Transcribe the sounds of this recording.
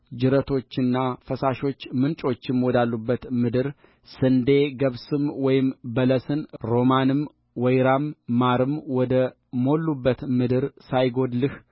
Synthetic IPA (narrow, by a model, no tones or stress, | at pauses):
d͡ʒɨɾət̪ʰo̞t͡ʃːɨnːafəsaʃo̞t͡ʃːmɨnt͡ʃʼo̞t͡ʃːɪmwɔd̪alːubːət̪mɨd̪ɨɾ | sɨnd̪e̞ɡəβsɨmwɔjɪmbələsɨnɾo̞manɨm | wɔjɾamːaɾɨmwɔd̪ə | mo̞lːubːət̪mɨd̪ɨɾsajɡo̞d̪lɨh